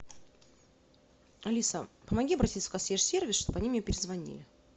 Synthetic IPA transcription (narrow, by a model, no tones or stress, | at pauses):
ɐlʲisəpəmɐɡʲiɐbɾɐtʲit̪sə̥kɐsʲjʲeʂsʲervʲɪsʂt̪obəɐnʲimʲjepʲɪɾʲɪzvɐnʲḭlʲɪ